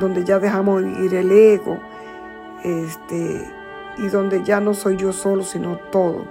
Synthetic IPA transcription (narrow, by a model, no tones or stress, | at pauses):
d̪õnd̪eʝaðeɦamoiɾeleɣo̰ | est̪e | iðõnd̪eʝano̞sojd͡ʒosolosinot̪oðo̰